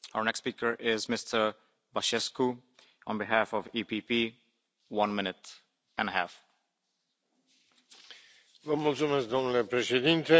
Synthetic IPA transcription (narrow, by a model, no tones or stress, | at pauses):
aʊə˞nɛkspikə˞ʔɪzmɪst̪ʰə˞ | baʃɛsku | ə̃nbiɦæfɔvipipi | wʌ̃nmɪ̃nɪt̪ | ə̃nəɦæf | vəmult̪sumesk̚d̪omnulepɾeʃed̪int̪e